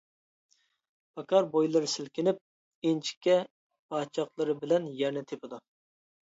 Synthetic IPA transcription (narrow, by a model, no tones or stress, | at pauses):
pʰɑkɑɾbojlˠɨɾɨsɪlkʲɪnɪp̚ | ent͡ʃʰi̥kʲːɛ | pʰɑːt͡ʃʰɑqlˠɨɾɨbɪlɛnjɛɾnɪt̪ʰepɪd̪u